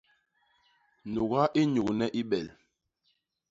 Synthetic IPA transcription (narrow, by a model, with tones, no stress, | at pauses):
nu˨ɣa˦ʔe˦ɲu˨k̚nɛ˦ʔi˦ɓɛ˨l